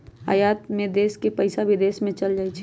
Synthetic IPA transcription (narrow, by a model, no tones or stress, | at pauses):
a̰jaːt̪mẽd̪eːskepəɪsabʱid̪eːsmẽt͡ʃəld͡ʒaːit͡ʃʰi